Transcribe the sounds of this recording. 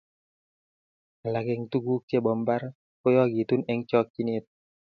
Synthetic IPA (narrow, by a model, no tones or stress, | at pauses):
alaɡɛŋt̪uɡukebɔmbar | kojɔɡit̪unɛŋt͡ʃɔk̚ːinit̪̚